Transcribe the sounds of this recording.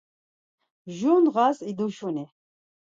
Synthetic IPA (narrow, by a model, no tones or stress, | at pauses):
ʒunʁasid̪uʃuni